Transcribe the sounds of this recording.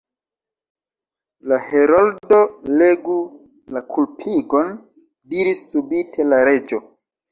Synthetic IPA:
laheɾoldo̞leɡu | lakʰulpʰiɡo̞n | diɾisːubitʰe̞laɾe̞d͡ʒo̞

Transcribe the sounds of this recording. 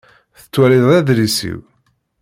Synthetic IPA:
θə̥t͡sːwæliðˤæðɾisḭw

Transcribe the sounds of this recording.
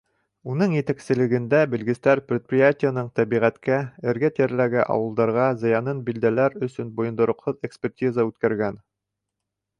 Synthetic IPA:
unɤɴjɘ̆t̪æksɘ̆lɘ̆ɡɘ̆nd̪æbɘ̆lɡɘ̆st̪æɾprʲɪt̪̚prʲɪjatʲɪjənɤɴt̪æbiʁæt̪kæɘ̆ɾɡæt̪æɾlæɡæʔɑ̰wɤ̆lˠd̪ɑɾʁɑzɤ̆jɑnɤnbild̪ælæɾɵ̆sɵnbŏjɤ̆nd̪ŏɾŏqhɤðekspʲertʲizəʉt̪kæɾɡæn

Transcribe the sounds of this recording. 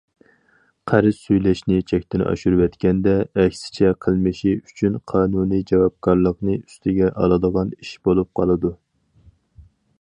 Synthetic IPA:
qʰæɾɪsyjlɛʃnɪt͡ʃʰɛkʲt̪ɪnɑ̰ʃuɾwɛt̪kʲɛnd̪ɛːkʲsɪ̥t͡ʃʰɛqʰəlˠmɨʃiyt͡ʃʰynqʰɑːnunijd͡ʒɑwɑp̚kʰɑɾlˠəqnɨy̥st̪ʰɪɡʲɛʔɑ̰lˠɨd̪əʁɑniʃb̥olˠup̚qʰɑlˠɨd̪u

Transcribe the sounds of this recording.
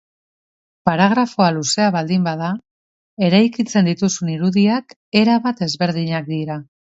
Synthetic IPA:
paɾaɣ̞ɾafo̞aluse̞aβald̪imbaða | e̞ɾajkit͡se̞nd̪it̪usuniɾuðiak | e̞ɾaβat̪e̞zβe̞ɾðiɲak̚d̪iɾa

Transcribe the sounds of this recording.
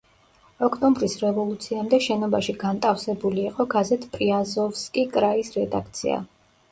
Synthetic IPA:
ɔkʼt̪ʼɔmbɾisɾɛvɔlˠut̪sʰiamd̪ɛʃɛnɔbaʃiɡant̪ʼafsɛbuliːqʼɔɡazɛt̪ʰʼpʼɾiazɔvskʼikʼɾaisɾɛd̪a̰k̚ʰt̪sʰḭa̰

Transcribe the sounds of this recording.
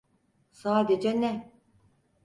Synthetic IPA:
saːd̪ed͡ʒɛnɛ

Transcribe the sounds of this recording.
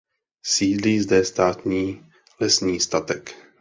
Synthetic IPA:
siːd̪liːzd̪ɛst̪aːt̪ɲiː | lɛsɲiːst̪at̪ɛk

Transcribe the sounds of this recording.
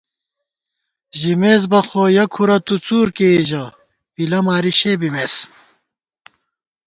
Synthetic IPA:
ʑimeːzbɐxoːjɐkʰuɾɐt̪ut͡suːɾkeʑɐ | pilɐmaːɾiɕeːbimeːs

